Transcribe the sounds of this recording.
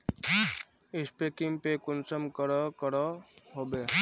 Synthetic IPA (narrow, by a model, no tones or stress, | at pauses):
ɪspekɪŋpekʊnsəmkəɾɔkəɾɔɦoːbe